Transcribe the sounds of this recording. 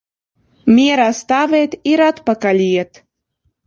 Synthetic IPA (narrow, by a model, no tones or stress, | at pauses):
mʲieɾɑst̪ɑvet̪iɾɑt̪pɑkɑlʲijet̪